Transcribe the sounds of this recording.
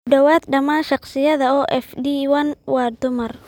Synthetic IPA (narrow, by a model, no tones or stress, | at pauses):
kɖɐwaːd̪ɖɐmaːnʃɑqsɪjɐðɐɔːʔɛfɖiwɐnwɑːd̪ʊmɐr